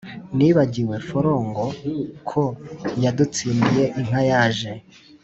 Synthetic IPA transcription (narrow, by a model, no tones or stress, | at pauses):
niːβaɟiwe̞foɾo̞ːŋɡo̞kʰojadut͡siːndije̞ʔiŋ̥hajaːʒe̞